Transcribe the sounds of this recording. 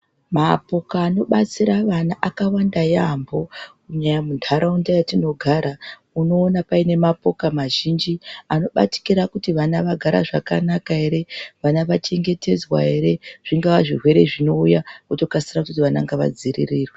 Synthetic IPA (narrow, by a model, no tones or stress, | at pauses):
mapo̞kaːno̞ɓat͡siɾaʋanaʔakawandajambo̞kuɲajamundʱaɾaundajatino̞ɡʱaɾa | uno̞ːnapaine̞mapo̞kamaʒind͡ʒiano̞ɓa̰ti̥kiɾakutiʋanaʋaɡʱaɾa̰ʐakanakae̞ɾe̞ʋanaʋat͡ʃe̞ŋɡe̞te̞d͡zwa̰e̞ɾe̞ʐ̥iŋɡaʋaʐirwe̞ɾe̞ʐino̞ujakutokasirakututiʋanaŋɡaʋa̰d͡zirḭriːrwe